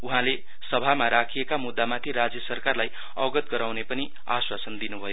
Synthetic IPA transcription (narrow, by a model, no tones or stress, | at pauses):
uɦãle | sʌbʱamaɾakʰijekamud̪ːamat̪ʰiɾad͡zjʌsʌrkarlaj | ʌɡʌt̪̚ɡʌɾawnepʌni | a̰swasʌnd̪inubʱʌjo